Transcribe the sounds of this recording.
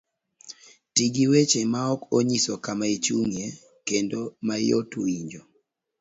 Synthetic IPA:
tiɡiwet͡ʃemaɔkoɲisɔkamaet͡ʃuŋje | kendomajo̰tuiɲd͡ʒo

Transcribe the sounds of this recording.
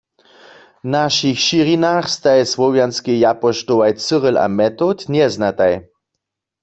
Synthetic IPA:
naʃixʃiʁinaxst̪ajɛsʋɔwjanskejapɔʃtoʋajt͡səʁəlʔa̰mɛt̪ot̪njɛznat̪aj

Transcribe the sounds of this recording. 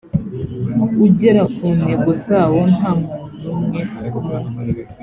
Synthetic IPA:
uɟeɾakuːne̞ɡozaːwo̞naːmuːnumŋeukuman

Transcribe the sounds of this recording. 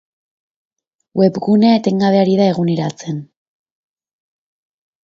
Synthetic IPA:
we̞pɣune̞aet̪e̞ŋɡaβ̞e̞aɾiðae̞ɣuniɾat͡sen

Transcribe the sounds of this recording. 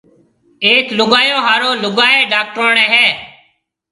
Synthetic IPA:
eːklʊɡaːjõːɦaːɾoːlʊɡaːeːɖaːk̚ʈoːɳẽːɦɛː

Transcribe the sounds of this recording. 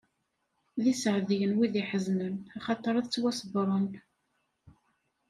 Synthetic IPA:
ðisəʕðijənwiðiħəznənɑχɑt̪ˤːəɾˤɑðt͡sːwæsəbɾˤʊn

